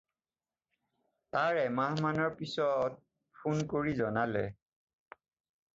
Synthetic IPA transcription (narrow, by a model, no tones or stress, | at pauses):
taɹɛmaɦmanɔɹpisɔt̚ | pʰunkoɹizɔnalɛ